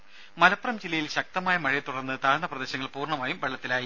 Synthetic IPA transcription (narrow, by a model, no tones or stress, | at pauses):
mɐlɐpːrɐmd͡ʑilːɐjilɕɐk̚t̪ɐmaːjɐmɐɻijet̪uɽɐnːɨt̪aːɻɳɐprɐd̪e̞ːɕɐŋːɐɭpuːrɳɐmaːjumʋɐɭːɐt̪ːilaːji